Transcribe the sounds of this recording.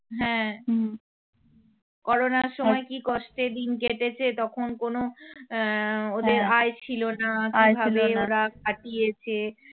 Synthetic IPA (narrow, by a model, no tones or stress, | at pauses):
ɦɛ̃ | kɔɾonaɾʃɔmɔekikɔʃʈed̪inkeʈet͡ɕʰet̪ɔkʰonkono | od̪eɾaet͡ɕʰilonakibʱabeoɾak̚ʰaʈijet͡ɕʰe